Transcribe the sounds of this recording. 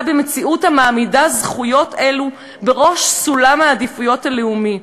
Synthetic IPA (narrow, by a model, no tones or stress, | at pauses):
beme̞t͡siʔuthamaːmidazχujo̞telu | be̞ʁo̞ʃsulamaːdifujo̞thaleumi